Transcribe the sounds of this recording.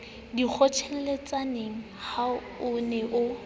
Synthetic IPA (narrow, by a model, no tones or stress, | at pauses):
dik͡xʰɔt͡ʃʰɛl̩let͡sʼaneŋ̩ha | ʊnɛʔʊ